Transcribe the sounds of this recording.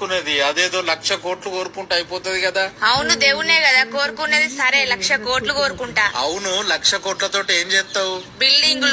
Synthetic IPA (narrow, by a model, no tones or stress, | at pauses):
kuneːd̪iɐd̪eːd̪o̞ːlɐkʂɐko̞ːʈlukoːɾukuɳʈaɐjipoːt̪ɐd̪ikɐd̪aːɐwunud̪eːwuneːkɐd̪aːko̞ːɾukuneːd̪isɐɾe̞ːlɐkʂɐko̞ːʈluko̞ːɾukuɳʈaːɐwunulɐkʂɐkoːʈlɐt̪oːʈieːɲd͡ʒɛːt̪ːaːwubilɖiŋɡul